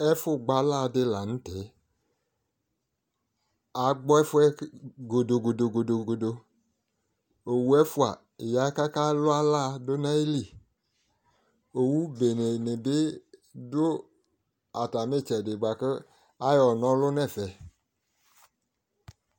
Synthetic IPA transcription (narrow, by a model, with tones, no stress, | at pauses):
ɛ˦fʊ˦ɡ͡ba˨˦la˦˨˧dɪ˦la˨ñ̩˦tɛ˨˦ | a˨ɡ͡bɔ˦ɛ˦fʊ˦ɛ˦ɡo˨do˨ɡo˨do˨ɡo˨do˨ɡo˨do˧ | o˨wu˨˦ɛ˦fʊ˦a˨ | ja˨˦ka˦ka˦lʊ˦a˦la˦˧do˦na˦i˦li˦˨ | o˨wu˦be˨ne˨ne˨be˦dʊ˦ | a˨ta˨me˦˨t͡ʃɛ˨de˨ɡ͡ba˨kə˦ | a˦jɔ˨nɔ̃˨˦lʊ˦nɛ˦˨fɛ˨